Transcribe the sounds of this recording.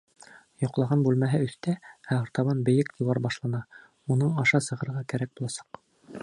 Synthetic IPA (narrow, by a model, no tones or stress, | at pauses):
jŏqlˠɑʁɑnbʉlmæɦɘɵ̆θt̪ææɑ̆ɾt̪ɑβɑnbɘ̆jɘkt̪ʲiwɑɾbɑʃlˠɑnɑ | unɤɴɑʃɑsɤ̆ʁɤ̆ɾʁɑkæɾæk̚bulˠɑsɑ̥q